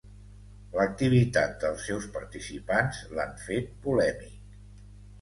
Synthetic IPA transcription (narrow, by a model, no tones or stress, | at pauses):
lək̚t̪iβ̞it̪at̪̚d̪əlˠsːɛwspəɾt̪isipanzlaɱfet̪̚pulɛmik̚